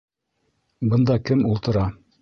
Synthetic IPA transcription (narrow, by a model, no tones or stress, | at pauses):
bɤ̆nd̪ɑkɘmulˠt̪ɤ̆ɾɑ